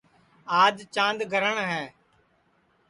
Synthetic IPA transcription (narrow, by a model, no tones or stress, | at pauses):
aːd͡ʒt͡ʃãːnd̪ɡʱəɾəɳɦɛː